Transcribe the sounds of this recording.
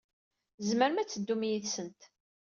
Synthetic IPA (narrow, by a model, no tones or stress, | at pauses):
zməɾmæt͡sːəd̪ːumjiðsənt̪